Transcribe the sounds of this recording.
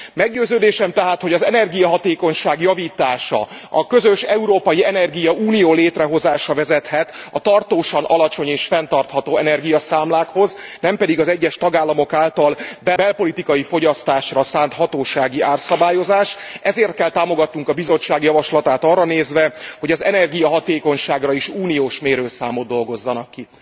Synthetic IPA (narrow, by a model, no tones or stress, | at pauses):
mɛɡɟøːzøːd̪eːʃɛmt̪ɛɦaːt̪ho̞ɟɒzɛnɛrɡijɒɦɒt̪eːko̞ɲʃaːɡjɒviːt̪aːʃɒ̰ɒkø̞zøʃɛuɾoːpɒjiɛnɛrɡijɒuːnijoːleːt̪rɛɦo̞zaːʃɒvɛzɛt̪hɛt̪ɒt̪ɒrt̪oːʃɒnʔɒlɒt͡ʃo̞ɲeːʃfɛnt̪ɒrt̪hɒt̪oːɛnɛrɡijɒsaːmlaːkho̞znɛmpɛd̪iɡɒzɛɟːɛʃt̪ɒɡaːlːɒmo̞kaːlt̪ɒlbɛbɛlpo̞lit̪ikɒjifo̞ɟɒst̪aːʃrɒsaːnt̪ɦɒt̪oːʃaːɡiʔaːrsɒbaːjo̞zaːʃʔɛzeːrt̪̚kɛlt̪aːmo̞ɡɒt̪nuŋkɒbizo̞t͡ʃːaːɡjɒvɒʃlɒt̪aːt̪ɒrːɒneːzvɛho̞ɟɒzɛnɛrɡijɒɦɒt̪eːko̞ɲʃaːɡrɒiʃuːnijoːʃmeːɾøːlsaːmod̪d̪o̞lɡo̞zːɒnɒkːi